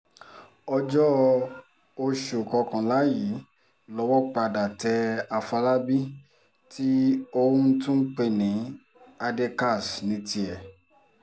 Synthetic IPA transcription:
ɔ˧d͡ʒɔ˦ | o˧ʃu˨kɔ˧kã˨la˨˦ji˨˦ | lɔ˧˦wɔ˦k͡pa˧da˨tɛ˧a˧fa˧la˦bi˦ | tʰi˦õ˧˦n̩˦tũ˦n̩˦k͡pe˦˨nĩ˨˦ | a˧de˧ka˦˨snĩ˧ti˧ɛ˨

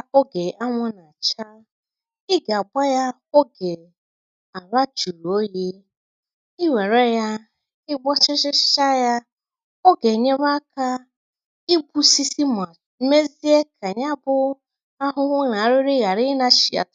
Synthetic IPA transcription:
a˦kʊ˦ɡe˨a˦ŋʷʊ˦na˨t͡ʃa˦ | ɪ˦ɡa˨a˨ɡ͡ba˦ja˦ | o˦ɡe˨ | a˨βa˦t͡ʃu˨ɾu˨o˦je˦ | ɪ˦we˨ɾe˦ja˦ | ɪ˦ɡ͡bɔ˦t͡ʃɪ˦t͡ʃɪ˦t͡ʃa˦ja˦ | o˦ɡe˨ɲe˦βa˦ka˦ | i˦bu˦si˦si˦m˨ | me˦zi˦e˦kʰa˨ɲa˦bʊ˦ | a˦ɦʊ˦ŋʷʊ˦na˨a˨ɾʊ˦ɾɪ˦ɣa˨ɾɪ˦na˦ʃi˨ja̰˨t

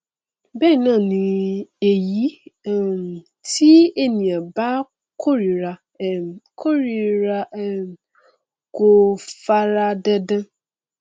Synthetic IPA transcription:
bɛ˦˨nã˦˨nĩ˨e˨ji˨˦˨m˨ | tʰi˦e˦nĩ˨ã˨ba˦ | kʰo˦ɾi˨ɾa˨ | kʰo˦ɾi˨ɾa˦˨ | ko˨fa˦ɾa˦dɛ˦dã˦

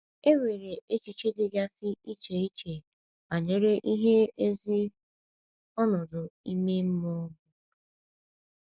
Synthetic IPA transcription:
e˦we˨ɾe˨ʔe˦t͡ʃi˨t͡ʃe˦dɪ˦ɡa˦sɪ˦i˦t͡ʃe˨i˦t͡ʃe˨ | ma˨ɲe˨ɾe˦ʔi˦ɦe˦e˦zi˦ | ɔ˦nɔ˨dʊ˨i˦me˦m̩˦mɔ˦ɡʊ˦

